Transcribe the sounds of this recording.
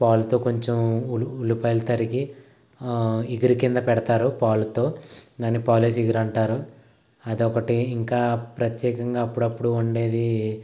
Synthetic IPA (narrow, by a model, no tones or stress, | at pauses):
paːlut̪o̞ːko̞ɲt͡ʃemuulupɐjlt̪ɐɾiki | iɡiɾikind̪ɐpɛɽɐt̪aːɾupaːlut̪o̞ːd̪aːnːipaːliːs̬iɡiɾɐɳʈaːɾu | ɐd̪iɔkɐʈiːŋkaːpɾɐt̪jɛːkɐŋɡaːpːuɽɐpːuɽuuɳɖe̞ːd̪i